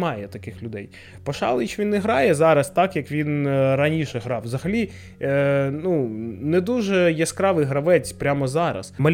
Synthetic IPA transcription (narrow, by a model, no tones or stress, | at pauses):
mɑjɛt̪ɐkɪxlʲʊd̪ɛj | pɔʃɑ̰lˠɪt͡ʃʲʋʲinːɛɦɾɑjɛzɑɾɐst̪ɑkjɐkʋʲinɾɐnʲiʃɛɦɾɑwzɐɦɐlʲi | nunɛd̪uʒɛjɛskɾɑʋɪɦɾɐʋɛt͡sʲpɾʲamɔzɑɾɐ̰smɐlʲ